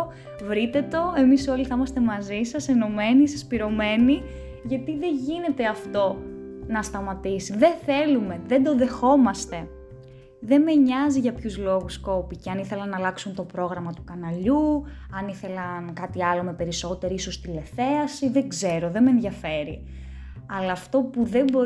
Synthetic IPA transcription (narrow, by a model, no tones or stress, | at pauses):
vɾit̪e̞t̪o̞e̞miso̞liθɐimɐst̪e̞mɐzisɐseno̞me̞nisɐspiɾo̞me̞ni | ʝɐt̪iðe̞ʝine̞t̪e̞ɐft̪o̞nɐst̪ɐmɐt̪isiðe̞θe̞lume̞ðe̞nd̪o̞ðe̞xo̞mɐst̪e̞ | ðe̞nme̞ɲɐziʝɐpçuzlo̞ɣusko̞piceɐniθe̞lɐnːɐlɐksunt̪o̞pɾo̞ɣɾɐmɐt̪ukɐnɐʎuɐniθe̞lɐnkɐt̪iɐlo̞me̞pe̞ɾiso̞t̪e̞ɾiiso̞st̪ile̞θe̞ɐsiðe̞ɡze̞ɾo̞ðe̞menðjɐfe̞ɾḭ | ɐlɐːft̪o̞puðe̞mbo̞